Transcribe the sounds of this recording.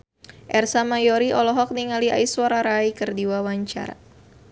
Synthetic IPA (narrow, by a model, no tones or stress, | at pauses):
ʔɛrsamajɔɾiʔɔlɔɦɔk̚niŋaliʔa̰iswaɾaɾaikɨrdiwawaɲt͡ʃa̰ɾa̰